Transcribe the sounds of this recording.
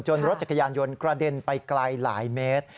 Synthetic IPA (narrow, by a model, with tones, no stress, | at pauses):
t͡ɕo˧nɾo˦t̪̚t͡ɕa˨˩kʰːa˧jaː˧njo˧nkɾa˧de˧npa˧jklaː˧jla̰ː˩˦jmeː˦˥t̪̚